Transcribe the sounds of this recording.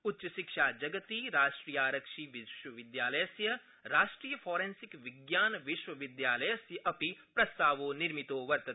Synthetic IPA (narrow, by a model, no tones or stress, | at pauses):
ʊtːʃɐʃɪkʃaːd͡ʒɐɡət̪iɾaːʃʈɾiːjaːɾəkʃiʋɪʃwəʋɪd̪jaːlɐjəsjə | ɾaːʃʈɾiːjəfʰɔːɾẽnsɪkʋɪɡjaːnʋɪʃwəʋɪd̪jaːlɐjəsjəʔɐpipɾɐst̪aːʋoːnɪɾmɪt̪oːʋɐɾt̪ɐ